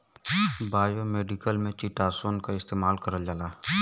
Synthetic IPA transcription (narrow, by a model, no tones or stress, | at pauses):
baːjomeːɖɪkəlmẽt͡ʃiʈaːsoːnkaɪst̪eːmaːlkəɾəld͡ʒalaː